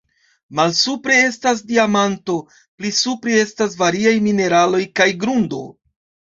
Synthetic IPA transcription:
malsupɾe̞e̞stas̬diamanto̞ | plisupɾee̞stas̬vaɾiajmine̞ɾalo̞jkajɡɾundo̞̰

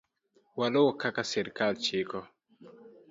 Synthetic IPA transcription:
walowɔkakasɛɾkalt͡ʃɪkɔ

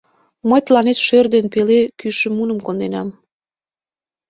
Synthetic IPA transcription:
məjt̪lɑnet̪ʃørd̪enpelekyʃĕmunə̆mkond̪enɑm

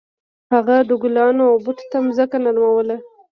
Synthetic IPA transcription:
haɣaɖʊɡlɑnoawbʊʈt̪amzəkanaɾmawəla

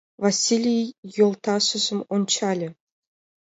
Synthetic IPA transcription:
vasʲilʲijjolˠt̪ɑʂɘ̆zɘ̆mont͡ɕɑlʲɘ̆

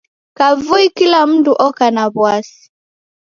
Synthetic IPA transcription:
kavuikilam̩tuʔɔkanaβwasi̥

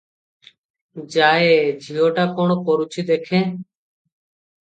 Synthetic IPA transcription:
d͡ʒaːeːd͡ʒʱiːoːʈaːkoːɳkoːɾuːt͡ʃʰiːd̪eːkʰẽː

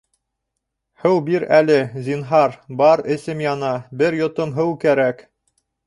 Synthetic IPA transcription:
hɘwbiɾælɘzinɦɑɾbɑɾɘ̆sɘmjɑnɑbɘɾjŏt̪omɦɘwkæɾæk

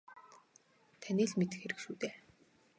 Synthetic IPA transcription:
t̪ʰaniːɮmet̪ɘ̆xeɾɘ̆kʃuːt̪eː

